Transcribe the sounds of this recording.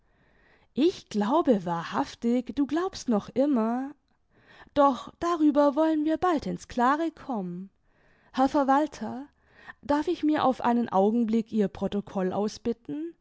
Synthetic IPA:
ʔɪçɡ̥laʊbəvaːɐhaftɪçd̥uːɡlaʊpstnɔχʔɪmɐ | d̥ɔχd̥aʁyːbɐvɔlənviːɐbaltɪnskl̥aːʁəkʰɔmən | hɛɐfɛɐvaltʰɐ | d̥aɐfɪçmiːɐʔa̰ʊfʔa̰ɪnənʔa̰ʊɡŋ̩blɪkʔiːɐpʁ̥otokʰɔlʔa̰ʊsb̥ɪtn̩

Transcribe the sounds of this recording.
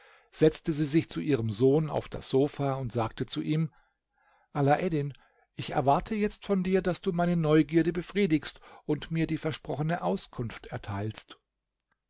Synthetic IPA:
z̥ɛt͡stəziːzɪçt͡suʔiːʁ̞əmzoːna̰ʊfd̥a̰sz̥oːfaːʊntz̥aːk̚tət͡suʔiːm | ʔalaʔɛdɪn | ʔɪçɛ̰ɐvaɐtʰəjɛt͡stfɔndiːɐdasd̥uːmaɪnənɔʏɡiːɐɾəbəfʁ̥iːdɪkstʊntmiːɐdiːfɛɐʃpʁ̥ɔχənəʔaʊskʰʊnftɛɐtʰaɪlst

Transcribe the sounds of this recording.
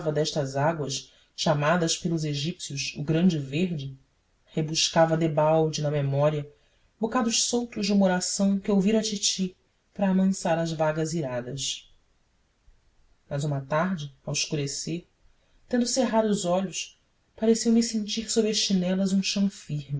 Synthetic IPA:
vɐd̪ɛʃt̪ɐzaɡwɐʃ | ʃamad̪ɐʃpelʊzeʒipsjuʃʊɡɾɐ̃nd͡ʒɪveɾd͡ʒɪ | hebuʃkavɐd̪ebawd͡ʒɪnɐmemɔɾiɐ | bokad̪ʊʃsowt̪ʊʒd͡ʒũmoɾasɐ̃w̃kɪowviɾɐ̃ɐt͡ʃit͡ʃi | pɾɐːmɐ̃saɾɐzvaɡɐziɾad̪ɐʃ | mɐzũmɐt̪aɾd͡ʒɪɐwɪʃkuɾeseɾ | t̪ẽnd̪ʊseɦad̪ʊuzɔʎʊʃ | paɾesewmisẽnt͡ʃiɾsobɾɐʃt͡ʃinɛlɐzũʃɐ̃w̃fiɾmi

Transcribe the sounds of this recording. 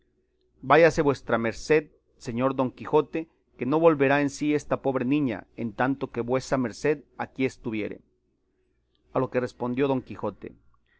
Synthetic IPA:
baʝase̞βwe̞st̪ɾame̞ɾse̞ð | se̞ɲo̞ɾðo̞ŋkixo̞t̪e | ke̞no̞βo̞lβe̞ɾae̞nsie̞st̪apo̞βɾe̞nĩɲa̰ent̪ant̪o̞ke̞βwe̞same̞ɾse̞ðakie̞st̪uβje̞̰ɾḛ | alo̞ke̞re̞spo̞nd̪jo̞ðoŋkixo̞t̪e̞̰

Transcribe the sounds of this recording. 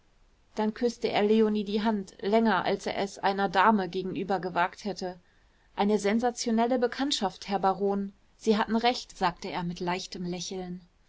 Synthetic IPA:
d̥ankʰʏstəʔḛːɐleoniːdiːɦantlɛŋɐʔa̰lsḛːɐʔɛsʔa̰ɪnɐdaːməɡeːɡŋ̩ʔyːbɐɡəvaːkthɛtə | ʔaɪnəzɛnzat͡sjonɛləbəkʰantʃafthɛɐbaʁoːn | z̥iːɦatn̩ʁɛçtz̥aːk̚təeːɐmɪtlaɪçtəmlɛçl̩n

